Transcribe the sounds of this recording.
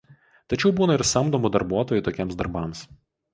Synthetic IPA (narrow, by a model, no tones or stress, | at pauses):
t̪ɐt͡ʃʲɛʊbuːnɐɪɾsɐmd̪oːmud̪ɐɾbuɔt̪oːjʊˑt̪oːkʲiɛmsd̪ɐɾbɐˑms